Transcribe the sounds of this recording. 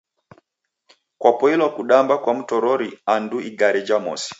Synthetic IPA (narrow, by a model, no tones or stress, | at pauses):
kwapɔilɔkuɗambakwam̩tɔɾɔɾianduiɡaɾɛd͡ʒamɔ̰si̥